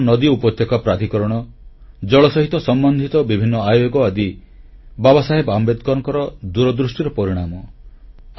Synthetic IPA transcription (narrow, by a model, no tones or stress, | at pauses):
nɔd̪iupɔt̪jekɔpɾad̪ʱikɔɾɔɽ̃ɔ | d͡ʒɔɭɔsɔɦit̪ɔsɔmbɔnd̪ʱit̪ɔbibʱinːɔajoɡɔad̪i | babɔsaɦepambed̪̚kɔɾɔŋkɔɾɔd̪uɾɔd̪ɾusʈiɾɔpɔɾiɽ̃amɔ